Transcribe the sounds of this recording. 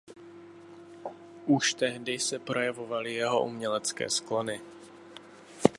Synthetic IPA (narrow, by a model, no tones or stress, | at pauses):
ʔuʃt̪ɛɦdɪsɛpɾo̞jɛvo̞valɪjɛɦo̞̰ʔṵmɲɛlɛt͡skɛ̰ːsklo̞nɪ